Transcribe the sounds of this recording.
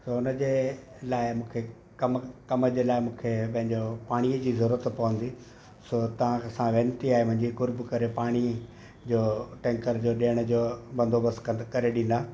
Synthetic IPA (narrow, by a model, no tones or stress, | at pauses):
soʊnəd͡ʑe | laːɪmũːkʰe | kɐmkɐməd͡ʑeːlaːɪmũːkʰepɐ̃ɦɪ̃ɲd͡ʑopaːɽ̃iəd͡ʑiːzɐɾuːɾət̪pɐʋə̃nd̪i | sot̪ɐʋ̤ãɐsãʋeːnt̪iaːɦemʊ̃ɦɪ̃ɲd͡ʑikʊɾbkɐɾepaːɽ̃i | d͡ʑoːʈɛ̃ːŋkəɾd͡ʑoːɗeːəɽ̃ə̆d͡ʑoːbɐ̃nd̪ʱobəskɐɾeɗĩn̆d̪aː